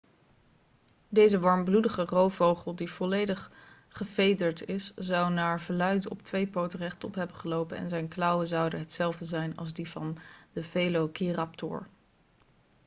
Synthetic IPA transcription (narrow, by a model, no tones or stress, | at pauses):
dejzəʋɑɹmbludəχərowvowχəlˠdiv̥ɔlejdəχ | χəvejdəɹtɪszɑwnaːɹvəlœɥtɔ̰ptʋejpowtərɛχtɔpɦɛbənχəlowpənɛ̰nzɛjnklʌwəzɑwdənɦətsɛlˠvdəzɛjnɑ̰lˠzdivɑ̰ndəvelokirɑptʊ̰ɹ